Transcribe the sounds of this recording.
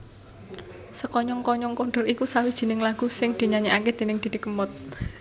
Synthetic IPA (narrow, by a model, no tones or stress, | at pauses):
səkɔɲɔŋkɔɲɔŋkoɳɖərikusawid̥ʒ̥i̤nɪŋlaɡ̥ṳsɪŋd̪̥i̤ɲaɲeaked̪̥e̤nɪŋd̪̥i̤d̥̪i̤kəmʊt̪̚